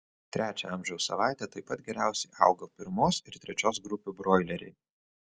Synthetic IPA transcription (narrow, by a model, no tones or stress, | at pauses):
t̪ʲɾʲʔæːt͡ʃʲɛɐmʲʒʲɛʊsːɐ̰ʋɑˑɪt̪ʲɛt̪ɐɪpɐt̪̚ɡʲɛɾʲæˑʊsʲɛɪʔɑ̰ˑʊɡopʲɪɾmoːsɪɾt̪ʲɾʲɛt͡ʃʲoːsɡɾʊpʲuːbɾoːɪlʲɛɾʲɛ̰ɪ